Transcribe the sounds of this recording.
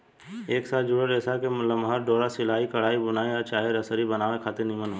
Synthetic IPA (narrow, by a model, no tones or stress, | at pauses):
eːksaːt̪d͡ʒʊɽəɾɛːsakemʊləmɦəɾɖɔːɾasɪlaːikɐɽ̤aːibʊnaːiat͡ʃaːɦeɾəsəɾibɐnaːʋekʰaːt̪eɾnɪ̃mənɦu